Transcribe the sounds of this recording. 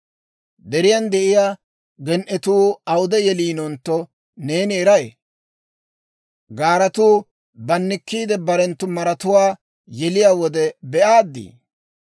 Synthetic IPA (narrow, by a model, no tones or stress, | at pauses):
d̪ɛɾɪjand̪ɛʔɪjaː | ɡɛnʔɛt̪uːɐwʊd̪ɛjɛliːnɔnt̪ːɔ | ne̞ːnɪɛɾɐjḛ | ɡaːɾɐt̪uː | bɐnːɪkːiːd̪ɛbɐɾɛnt̪ːʊmɐɾɐt̪ʊwaː | jɛlɪjaːwɔd̪ɛbɛʔaːd̪ːḭː